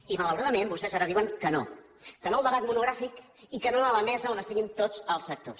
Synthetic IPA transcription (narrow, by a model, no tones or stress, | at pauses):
imələwɾaðəmembust̪ɛzaɾəðiwəŋkəno̰ | kənolˠd̪əβat̪munuɣɾafik | ikənoələmɛzəonəst̪iɣint̪od͡zəlˠsːək̚t̪o̰s